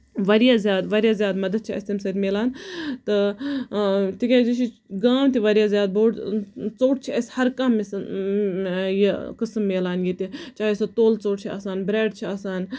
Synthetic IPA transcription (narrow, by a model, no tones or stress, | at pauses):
ʋɐɾijaːzʲjaːd̪ʋɐɾjaːzjaːd̪mɐd̪ɐd̪̚t͡ʃʰiɐ̰sʲt̪ʲimsɐɾʲmeːlaːnt̪ɨ | t̪ikʲeːd͡ʒiʃi | ɡaːmt̪iʋɐɾijaːzʲjaːd̪̚boːɽt͡soːʈ̚t͡ʃʰiɐshɐɾkɐmːis | jikɨsmːeːlaːnjit̪it͡ʃaːjisɐt̪oːlt͡soːʈ̚t͡ʃʰia̰ːsaːnbɾeːɖt͡ʃʰiaːsaːn